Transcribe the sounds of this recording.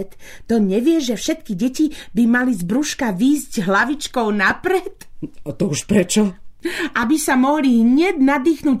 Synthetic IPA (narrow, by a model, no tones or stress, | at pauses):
t̪t̪ɔɲɛʋɪɛʒɛfʃɛt̪̚kiɟɛcibimalizbɾuʃkaʋiːzɟɦlaʋit͡ʃkɔʊnapɾɛt̪at̪ɔuʃpɾɛt͡ʃɔʔabisamɔɦliɦɲɛd̪nad̪iːxnuːc